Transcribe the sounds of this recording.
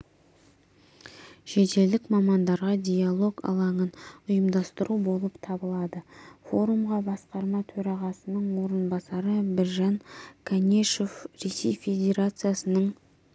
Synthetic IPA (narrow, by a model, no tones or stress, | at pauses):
ʃe̞t̪e̞ld̪ɪkmɑmɑnd̪ɑɾʁɑd̪ʲijalˠo̞ɡɑ̰lˠɑɴənʊjəmd̪ɑst̪əɾubo̞lˠəpt̪ʰɑbəlˠɑd̪əfo̞ɾumʁɑbɑsqɑɾmɑt̪ʰɵɾɑʁɑsənəɴwo̞ɾənbɑsɑɾəbɪɾʒɑŋkʰanʲe̞ʃo̞fɾe̞sḛjfʲe̞d̪ʲe̞ɾat̪sɨjasənəɴ